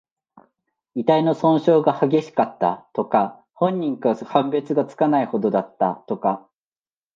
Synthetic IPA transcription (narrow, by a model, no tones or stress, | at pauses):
it̪aino̞sõ̞ɰ̃ɕo̞ːɡahaɡʲe̞ɕi̥kat̪ːa̰t̪o̞ka | hõ̞ɲ̟ːĩŋkahãmbe̞t͡sɨɡat͡sɨ̥kanaiho̞d̪o̞d̪at̪ːa̰t̪o̞ka